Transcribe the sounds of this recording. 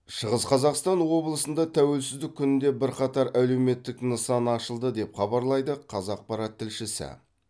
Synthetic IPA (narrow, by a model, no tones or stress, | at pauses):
ʃəʁəzqʰɑzɑqst̪ɑnwo̞blˠəsənd̪ɑt̪ʰæwe̞lsɪzd̪ɪk̚ʲʰːʏnɪnd̪e̞bɪɾqɑt̪ɑɾæle̞wme̞t̪ːɪknəsɑnɑʃəlˠd̪əd̪e̞pχɑbɑɾlˠɑjd̪əqʰɑzɑq̚pɑɾɑt̪ʰːɪlʃɪsɪ̰